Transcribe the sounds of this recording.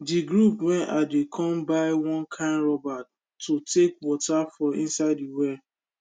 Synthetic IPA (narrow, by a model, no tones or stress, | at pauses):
diɡɹupwɛ̃nʔadekʰɔ̃mbaɪwɔ̃nkʰãɪ̃nɹɔba | tːotekwɔtafɔ̃ĩnsaɪdiwɛ